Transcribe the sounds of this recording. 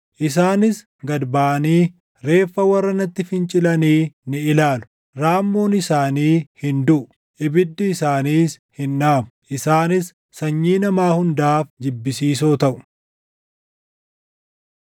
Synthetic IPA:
ʔɪs̬aːnɪs | ɡɐd̪baːniː | ɾe̞ːfːɐwɐrːɐnɐt̪ːɪfɪnt͡ʃʼɪlɐniːnɪɪlaːlʊ̥ | ɾaːmːoːnɪsaːniːhɪnd̪ʊʔʊ | ʔɪbɪd̪ːɪːsaːniːs | hɪnːaːmʊ̥ʔɪsaːnɪsː | ɐɲːiːnɐmaːhʊnd̪aːfd͡ʒɪbːɪsiːsoːt̪ɐʔʊ̥

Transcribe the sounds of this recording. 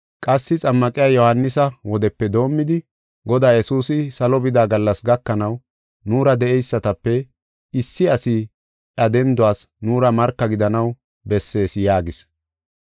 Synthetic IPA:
kʼɐsːɪt͡sʼɐmːɐkʼɪjaːjɔhɐnːɪsɐwɔd̪ɛpːɛd̪o̞ːmːɪd̪ɪ | ɡɔd̪aːjɛsuːsɪsɐlɔbɪd̪aːɡɐlːɐsɡɐkːɐnɐw | nuːɾɐd̪ɛʔɛjsːɐt̪ɐpːɛ | ɪsːɪɐsɪ | ɐd̪ɛnd̪ʊaːsnuːɾɐmɐɾkːɐɡɪd̪ɐnɐw | bɛsːe̞ːsjaːɡɪs

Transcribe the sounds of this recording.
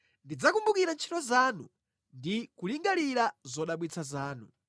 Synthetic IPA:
ndid͡zakumbukiɾant͡ʃʰitɔzaːnṵ | ndikuliŋɡaliɾazɔɗaɓwit͡sʰazaːnṵ

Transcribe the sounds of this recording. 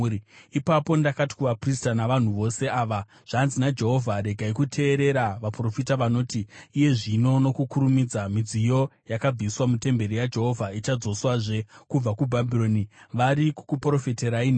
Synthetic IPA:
ipapo̞ndakati̥kuʋapristanaʋan̤uʋo̞se̞aːʋa | ʐ̥anzinad͡ʒe̞ɦo̞vʱaɾe̞ɡʱaikutʰe̞ːɾe̞ɾaʋapro̞fitaʋano̞ːtiːje̞ʐino̞no̞kukuɾumid͡zamid͡zijo̞jakab͡viswamute̞mbe̞ɾijad͡ʒe̞ɦo̞vʱait͡ʃad͡zo̞swaʐe̞kub͡vakubʱabʱiɾo̞niʋaɾiku̥kupro̞feteɾain

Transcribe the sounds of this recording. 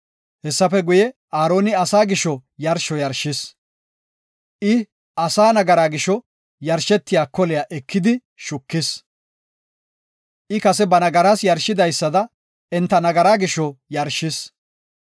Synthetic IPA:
hɛsːɐfɛɡʊjɛʔaːɾo̞ːnɪɐsaːɡɪʃɔjɐɾʃɔjɐɾʃːɪs | ʔɪ | ʔɐsaːnɐɡɐɾaːɡɪʃɔ | jɐɾʃɛt̪ːɪjaːkɔlɪjaːʔɛkːɪd̪ɪ | ʃʊkːɪs | ʔɪkɐsɛbɐnɐɡɐɾasjɐɾʃːɪd̪ɐjsːɐd̪ɐ | ɛnt̪ːɐnɐɡɐɾaːɡɪʃɔjɐɾʃɪs

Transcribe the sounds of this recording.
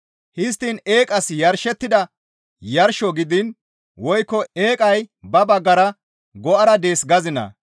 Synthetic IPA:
hɪs̬t̪ːine̞ːkʼɐsjɐɾʃɛt̪ːɪd̪ɐ | jɐɾʃɔɡɪd̪ɪn | wɔjkːɔeːkʼɐjbɐbɐɡːɐɾɐ | ɡɔʔɐɾɐd̪eːsɡɐzɪnɐ̰

